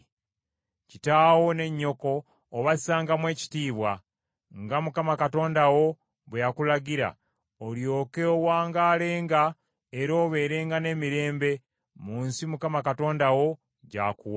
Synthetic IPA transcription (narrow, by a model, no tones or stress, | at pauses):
citaːwo̞ne̞ɲːo̞ko̞ː | βazisaːŋɡamwe̞ːci̥tiːβwa | ŋɡamukamakato̞ːndawo̞ | βwejakulaɡiɾa̰ | oljo̞ːkeowaːŋɡaːle̞ːŋɡa | eɾo̞ːβe̞ːɾe̞ːŋɡane̞ːmiɾe̞ːmbe̞ | muːnsimukamakato̞ːndawo̞ | ɟa̰ːkuwa